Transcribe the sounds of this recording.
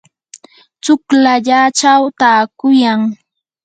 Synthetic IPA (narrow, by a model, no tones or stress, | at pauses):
t͡ʃʊklaʎat͡ʃawt̪aːkʊjaŋ